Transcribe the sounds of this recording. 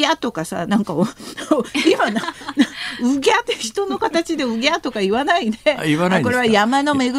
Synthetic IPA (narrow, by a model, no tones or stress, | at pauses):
at̪o̞kasa̰nãŋkaooimananaɯ̟ɡʲat̪ːeçi̥t̪o̞no̞kat̪at͡ɕid̪e̞ɯ̟ɡʲat̪o̞kaiβanaid̪eianako̞ɾe̞βajamano̞me̞ɡɯ